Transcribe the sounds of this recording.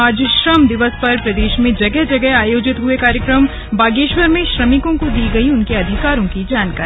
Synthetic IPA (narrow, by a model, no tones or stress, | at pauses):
aːd͡ʒʃɾəmd̪ɪʋəspɐɾpɾɐd̪eːʃmẽd͡ʒɐɡɛɦd͡ʒɐɡɛɦaːjoːd͡ʒɪt̪ɦʊekaːɾjəkɾəm | baːɡeːʃwəɾmẽʃɾɐmɪkõkod̪iːɡɐiʊnkeɐd̪ʱɪkaːɾõkid͡ʒaːnkaːɾ